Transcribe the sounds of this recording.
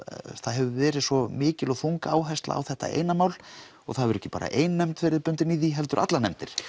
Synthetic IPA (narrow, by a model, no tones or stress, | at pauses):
θaðɦɛvʏvɛːɾɪðsɔmɪːcɪlɔθuŋkaaːwɦɛjst̪la̰ːwθɛht̪a̰ʔḛːjnamaːwl | ɔɣθaðvɛɾɛhcːɪ̥pa̰ːɾa̰ʔeːjnːɛmt̪fɪɾɪpʏnt̪ɪniðiɦɛlt̪ʏɾa̰t̪lanɛmt̪ɪɾ̥